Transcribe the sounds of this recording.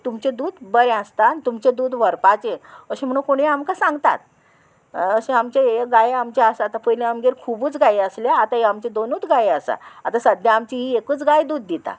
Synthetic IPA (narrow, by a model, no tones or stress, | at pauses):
t̪umt͡ɕed̪uːd̪bəɾẽə̃st̪aːnit̪umt͡ɕed̪uːd̪ʋəɾpat͡ɕeəɕem̤əɽ̃ũkoɽ̃eamkasãŋɡt̪a̰t̪̚ | əɕẽamt͡ɕeeɡajeamt͡ɕaəsaat̪apəjlẽamɡeɾkʰubuːt͡sɡaiəsljaːt̪aɦeamt͡ɕed̪onuːt̪ɡajeəsa̰at̪asəd̪jaamt͡ɕiɦiekuːt͡sɡajd̪uːd̪̚ːit̪a̰